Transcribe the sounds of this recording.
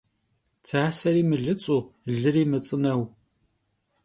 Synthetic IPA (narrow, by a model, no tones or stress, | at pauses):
t͡sʰaːsɐɾiːmɨɮɨt͡sʼuːɮɨɾiːmɨt͡sʼɨnɐw